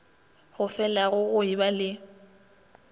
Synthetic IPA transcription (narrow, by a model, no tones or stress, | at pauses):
ɣʊfɛlaɣʊɣʊibalɪ